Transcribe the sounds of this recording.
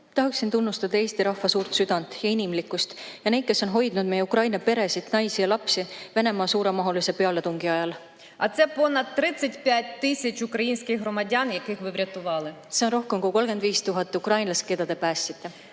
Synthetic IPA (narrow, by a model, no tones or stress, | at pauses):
t̪ɑɦɑksːint̪unːust̪ɑd̪̥ɑe̞ːst̪iɾɑhːɑsuːɾt̪syd̪̥ɑnd̪̥jɑinʲimlikːˑust̪jɑnejt̪kesːo̞nɦo̞jd̪̥nud̪̥̚me̞jeukrɑjnɑpe̞ɾe̞sid̪nɑjsijɑlɑpsive̞ne̞mɑːsuːɾemɑɦolise̞pe̞ɑle̞t̪uŋɡ̥iɑjɑl | ɐ̰t̪sɛpo̞nɐd̪̚t̪ːɾɪsʲɐtʲpʲjæt̚ʲt̪ɪsʲɐt͡ʃukɾɐjinʲsʲkɪxɦrɔmɐdʲanjɐkɪxʋɪʋɾʲɐt̪ʊʋɑlˠɪ | seo̞nro̞hkemkohuko̞lɡ̥e̞nd̪viːst̪uɦɑt̪ːˑukrɑjnlɑske̞d̪̥ɑd̪̥e̞pæːsːit̪ːˑe